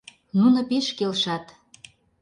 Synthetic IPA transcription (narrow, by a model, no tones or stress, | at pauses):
nunɤ̆peʃkelʃɑt̪